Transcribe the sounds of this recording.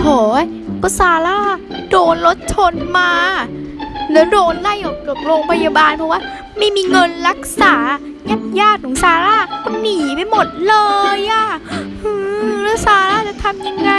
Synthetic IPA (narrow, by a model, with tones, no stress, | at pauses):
t̪ʰoː˨˩˦j | bɔ˧˥saː˧laː˥˩ | doː˧nlo˦˥t̪̚t͡ɕʰo˧nmaː˧ | lɛː˦˥wdoː˧nla˥˩jɔː˨˩kka˨˩p̚ɾoː˧ŋpʰa˧jaː˧baː˧npʰɔ˧˥waː˥˩ | ma˥˩jmiː˧ŋɤ˧nla˦˥k̚saː˩˦ | ŋa˥˩njaː˥˩t̪̚kʰɔ˨˩˦ŋsaː˧laː˥˩ma˧niː˩˦pa˧jmo˨˩t̪̚lɤː˧jʔa˧˩ʔɯː˧lɛː˦˥wsaː˧laː˥˩t͡ɕa˨˩t̪ʰa˧mja˧ŋːa˧